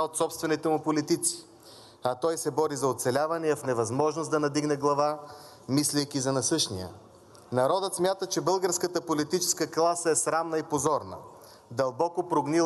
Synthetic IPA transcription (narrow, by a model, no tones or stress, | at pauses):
aot̪sɔpst̪vɛnit̪ɛmʊpolit̪it̪si̥ | ɐt̪ɔjsɛbɔɾizɐot̪sɛlʲavɐniəfnɛvɐzmɔʒnosd̪ɐnɐd̪iɡnɛɡlˠɐva | mislijkʲizɐnɐsɤʃnijə̰ | nɐɾɔd̪ət̪smʲjat̪ət͡ʃɛbɤlˠɡəɾskət̪əpolit̪it͡ʃɛ̥skəklˠasəɛsɾamnəipozɔɾnə̰ | d̪ɐlˠbɔkopɾoɡni